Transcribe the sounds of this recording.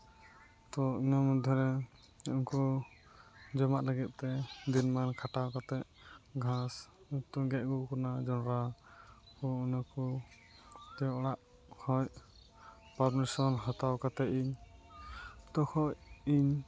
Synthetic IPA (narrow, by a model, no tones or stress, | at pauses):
t̪ɔinamud̪ʱjɔɾɛ | unkɔ | d͡ʒɔmaʔləɡɛt̪̚ˀːt̪ɛd̪inmankʰaʈawkat̪ɛʔ | ɡʱas | ut̪ɔɡɛʔ̚ɡukɔnad͡ʒɔnɾa | pɔunakɔ | t̪ɛɽaʔ | kʰɔj | paɾmɛsɔnɦɔt̪awkat̪ɛʔiɲ | t̪ɔkʰɔjiɲ